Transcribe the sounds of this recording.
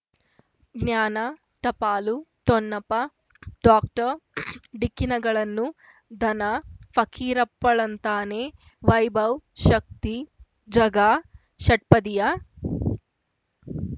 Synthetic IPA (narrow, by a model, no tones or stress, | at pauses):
ɡnjaːnɐ | ʈ̪ɐpaːlut̪ɔnːɐpɐ | ɖaːk̚ʈɐɾɖikːinɐɡɐɭɐnːu | d̪ʱɐnɐpʰɐkʰiːɾɐpːɐɭɐnt̪aːneː | ʋɐjbʱɐwʃɐk̚t̪i | d͡ʒɐɡaː | ʃɐʈ̚pɐd̪ija